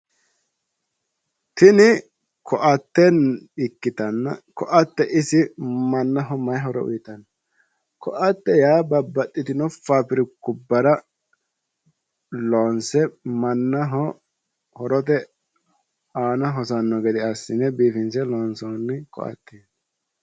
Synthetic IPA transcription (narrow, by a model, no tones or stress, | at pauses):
t̪ɪnɪ | kʰɔʔɐt̪ːɛnɪkːɪt̪ɐnːɐ̰kɔʔɐt̪ːɛʔɪsɪmɐnːɐɦɔmɐjɦɔɾɔʊ̰jɪt̪ɐnːɐ | kɔ̰ʔɐt̪ːɛjaːbɐbːɐt̪ʼːɪt̪ɪnɔfaːpɪɾɪkːʊbːɐɾɐ | loːnsɛmɐnːɐɦɔ | hɔɾɔt̪̬ɛ | aːnɐɦɔsɐnːɔɡɛd̪ɪɐsːɪnɛbiːfɪnsɛlɔːnsɔnːɪkɔ̰ʔɐ̰t̪ːeːs